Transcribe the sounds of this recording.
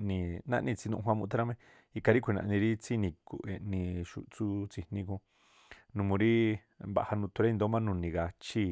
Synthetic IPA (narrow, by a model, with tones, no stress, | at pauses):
nĩ˧nã̰˦ʔnĩ˧t͡si˧nṵ̃˧ɦʷwã˧mũ˧˦t̪a˦ɾa˦mẽ˦ | i˧ka˧ɾi˦kʷi˧nã̰˧ʔnĩ˧ɾi˦t͡si˦˧nĩ˧ku˨ʔe˧ʔnĩ˧ʃṵ˧t͡su˦t͡si˧nĩ˧kũ˧ | nũ˧mũ˧ɾi˦ | mba̰˧˨ha˧nũ˧t̪u˧ɾa˦˧nd̪o˧˦mã˦nũ˧nĩ˧ɣa˧t͡ʃi˦